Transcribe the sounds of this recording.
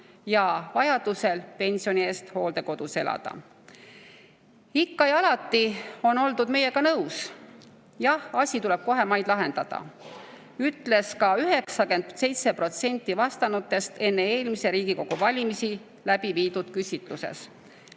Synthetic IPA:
jɑvɑjɑd̪̥use̞lpe̞nʲsio̞nʲie̞ːst̪ho̞ːld̪e̞ko̞d̪̥use̞lɑ̰d̪̥ɑ̰ | ikːɑjɑlɑt̪ːˑio̞no̞ld̪ud̪me̞je̞kɑnɤws | jɑhɑsʲit̪ule̞b̥̚ko̞ɦe̞mɑjd̪̥lɑɦe̞nd̪̥ɑd̪̥ɑ̰ | yt̪ːˑle̞skɑyɦe̞ksɑke̞nd̪se̞jt̪se̞pro̞t̪se̞nʲt̪ːˑivɑst̪ɑnut̪ːˑe̞st̪e̞nːe̞eːlmise̞ɾiːɡiko̞ɡ̥uvɑlʲimisi | læb̥iviːd̪̥ud̪̥kysʲit̪luse̞̰s

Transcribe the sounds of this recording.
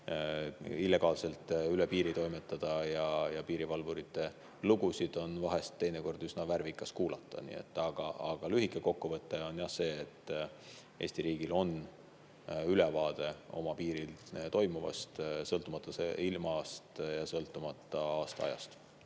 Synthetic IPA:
ilːe̞ɡ̥ɑːlse̞lt̪ˑylepiːɾit̪o̞jmet̪ːˑɑd̪̥ɑjɑjɑpiːɾivɑlvuɾit̪ːˑe̞ | luɡ̥usid̪̥o̞nvɑɦe̞st̪ːe̞jneko̞rd̪̥ysnɑværvikˑːɑskuːlɑt̪ːˑɑ̰nḭḛt̪ːˑɑɡ̥ɑɑɡ̥ɑlyɦikːˑe̞ko̞kːuvɤt̪ˑːe̞o̞njɑse̞ːt̪ːˑ | e̞ːsʲt̪iɾiːɡ̥ilo̞n | ylɛvɑːd̪̥e̞o̞̰mɑpiːɾilt̪o̞jmuvɑ̰st̪sɤlt̪ːˑumɑt̪ːˑɑseilmɑst̪jɑsɤlt̪ˑːumɑt̪ːˑɑɑːst̪ɑɑ̰jɑ̰st̪

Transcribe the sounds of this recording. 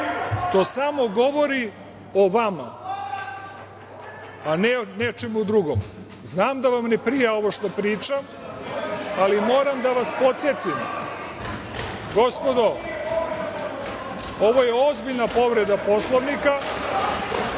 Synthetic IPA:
t̪o̞ːsamo̞ɡo̞ʋo̞ɾi | oʋama̰ | anenet͡ʃemud̪ɾuɡo̰m | znaːmd̪aʋamnepɾijeo̞ʋoʃt̪o̞pɾiːt͡ʃam | alimo̞ːɾamd̪aʋaspo̞t̪sje̞t̪im | ɡo̞spo̞d̪o̞ | oʋojeozbiʎnapo̞ʋɾe̞d̪apo̞slˠoʋnika

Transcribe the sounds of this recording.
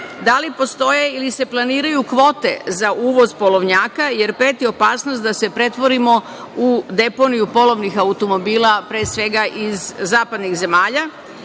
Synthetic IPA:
d̪alipo̞st̪o̞jeilise̞plˠaniːɾajukʋo̞ːt̪e̞̰zaʔuːʋo̞zpo̞lo̞ʋɲaːkaje̞ɾpeːt̪io̞paːsnost̪d̪ase̞pɾe̞t̪ʋo̞ɾimo̞ | ud̪e̞po̞nijupo̞lˠo̞ʋnixaut̪o̞mo̞biːlˠapɾeːsʋe̞ɡaʔizzaːpad̪nixze̞maːʎa

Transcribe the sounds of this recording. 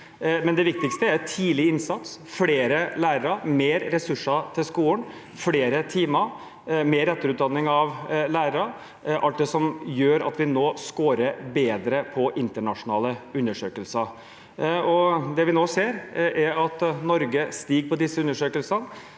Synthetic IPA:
mɛnd̪ɛʋɪk̚t̪ɪkst̪əæɾt̪ʰiːlɪɪnsɑt̪sfɽeːɾəlæːɾəɾəmeːɾɾɛsʉʂːɑt̪ʰɪlskuːən | fleːɾət̪ʰiːmə | meːɾɛt̪ːəɾʉːt̪d̪ɑnːɪŋɑʋlæːɾəɾə | ʔɑlt̪̚d̪ɛsɔmjøːɾɑ̰t̪ʋɪnoːskoːɾəɾbeːd̪ɾəpʰɔʔɪnt̪əɳɑʂʊnɑːləʉnːəʂøːkəlsə | ɔd̪ɛʋɪnoːseːɾʔæɾɑt̪nɔɾɡəst̪iːɡpʰɔd̪ɪsːəʉnːəʂøːkəlsən

